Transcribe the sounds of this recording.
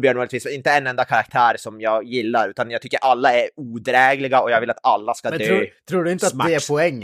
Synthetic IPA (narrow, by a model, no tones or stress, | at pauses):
bjœːɳmuːlɪt̪ʰiːsmɛnɪnt̪əɛnɛnd̪akʰaɾak̚t̪ʰæːɾsɔmjɑːɡjɪlːaɾʉ̟ːt̪anjɑɡ̚t̪ʏkːəɾʔalːaɛɾuːd̪ɾɛːɡlɪɡaɔjɑɡvɪlat̪alːaskad̪øɾːt̪ʰɾuːɖɵɪnt̪əat̪d̪ɛæɾpʰɔɛŋː